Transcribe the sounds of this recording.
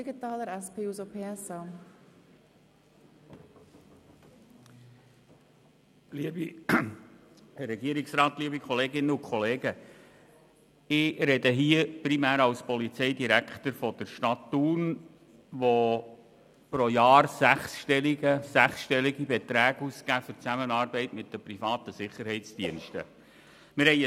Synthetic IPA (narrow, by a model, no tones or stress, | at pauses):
d̥iɡit̪ɑːləɾɛspʰeːuzopʰeːɛsɑ | liəbi | ɾɛɡiəɾɪksɾɑːt̪liəbikχɔleːɡɪnːəʊkʰχɔleːɡə | ɪɾɛdəɦiːəpɾimæːɾɑwspɔlit͡sɛɪdiɾækχt̪əɾfɔd̥̪əɾʃtɑtːun | ʋo | pɾojɑːɾsæχsʃtɛliɡəsæχsʃtɛliɡibɛt̪ɾæːɡ̥uskæːfʏt͡sæmənɑːɾbɛɪtmɪt̚d̥əpɾifɑːt̪əsɪχːəɾɦɛɪtt͡sd̥iənʃtə̰ | mɪɾhɛɪ